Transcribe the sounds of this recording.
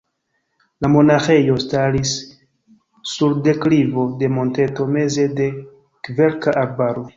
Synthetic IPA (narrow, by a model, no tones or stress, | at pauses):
lamo̞naxe̞jo̞staɾis | uɾde̞klivo̞de̞mo̞nte̞to̞me̞ze̞de̞ | kve̞ɾkaʔaɾbaɾo̞